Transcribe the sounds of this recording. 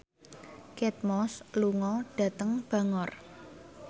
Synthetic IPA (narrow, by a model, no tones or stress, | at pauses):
kɛt̪̚mɔsluŋɔɖ̥ä̤t̪əŋb̥ä̤ŋɔr